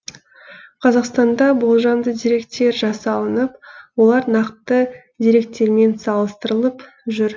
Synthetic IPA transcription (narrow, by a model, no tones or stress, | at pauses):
qʰɑzɑqst̪ɑnd̪ɑbolˠʒɑnd̪əd̪ijɾe̞kt̪e̞ɾʒɑsɑlˠənəp̚wo̞lˠɑɾnɑqt̪ə | d̪ijɾe̞k̚t̪ːe̞ɾme̞nsɑlˠəst̪əɾəlˠəp | ʒʏɾ